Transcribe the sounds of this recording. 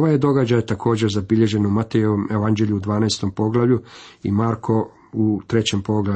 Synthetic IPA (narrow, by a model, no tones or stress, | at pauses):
oʋajed̪o̞ɡad͡ʑajt̪akʰo̞ːd͡ʑeɾzabiʎe̞ʒe̞numat̪ejeome̞ʋand͡ʑe̞ʎuud̪ʋaːnaest̪o̞mpo̞ɡlˠaʋʎʲuḭmaːɾkʰo̞ | ut̪ɾe̞t͡ɕe̞mpo̞ɡla